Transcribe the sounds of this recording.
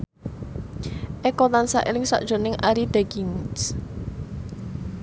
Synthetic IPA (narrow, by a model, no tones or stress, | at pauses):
ʔekɔt̪ansaʔelɪŋsa̰ʔd̥ʒ̥o̤nɪŋʔaɾid̪̥ɛɡiŋs